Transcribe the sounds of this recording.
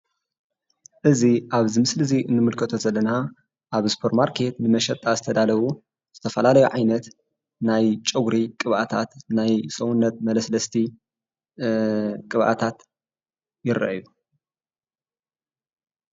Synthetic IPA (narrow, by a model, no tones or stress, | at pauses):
ʔɨziʔaβzimɨslɨziʔɨnːɨmɨlkʰɐt̪ʰozɐlːɐna | ʔaβspʰoɾmaɾkʰe̞t̪nɨmɐʃɐt̪ʼːazɨt̪ʰɐd̪alɐwu | z̥ɨt̪ʰɐfɐlalɐjuʕajnɐt̪ | najt͡ʃʼɐɡɾikʼɨβʔat̪ʰa̰t̪najsʼɐwunːɐt̪̚mɐlɐslɐst̪ʰi | kʼɨβʔa̰t̪ʰat̪ | jɪɾɐ̰ʔju